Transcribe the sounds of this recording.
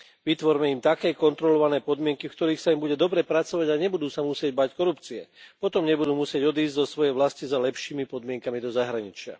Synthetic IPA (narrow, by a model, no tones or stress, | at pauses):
ʋit̪ʋɔɾmɛimt̪akɛːkɔnt̪ɾɔlɔʋanɛːpɔd̪mɪɛŋkifkt̪ɔɾiːxsaimbuɟɛd̪ɔbɾɛpɾat͡sɔʋaɟaɲɛbud̪uːsamusɪɛɟbackɔɾupt͡siɛ̰pɔt̪ɔmɲɛbud̪uːmusɪɛɟɔd̪iːzɟzɔsʋɔjɛjʋlascizalɛpʃiːmipɔd̪mɪɛŋkamid̪ɔzaɦɾaɲit͡ʃɪa̰